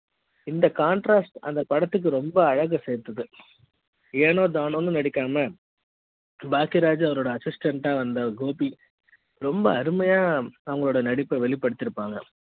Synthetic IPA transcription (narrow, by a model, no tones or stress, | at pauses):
ɪnd̪ɐkaːɳʈɾaːsʈɐ̰nd̪ɐpɐɽɐt̪ːɯk̬ːɯɾɔmbɐːɻɐɣɐseːɾt̪ɐðɯ | eːnoːd̪aːnoːnːɯnɐɽɪkːaːmɐ | baːkɪɾaːd͡ʒɐʋɐɾoːɽɐːsɪsʈɐɳʈaːʋɐnd̪ɐɡoːpi | ɾɔmbɐːɾɯmɐjaːɐʋɐŋɡɐɭoːɽɐnɐɽɪpːɐʋɛɭɪpːɐɽɯt̪ːɪɾɯpːaːŋɡɐ